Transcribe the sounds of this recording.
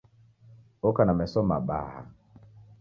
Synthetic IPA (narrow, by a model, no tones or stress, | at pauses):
okanamɛsɔma̰ɓa̰ha̰